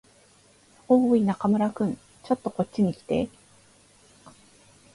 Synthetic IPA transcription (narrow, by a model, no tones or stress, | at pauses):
oːinakamɯ̟ɾakɯ̟̃n | t͡ɕo̞t̪ːo̞ko̞tt͡ɕt͡ɕːiɲ̟ikʲi̥t̪e̞̰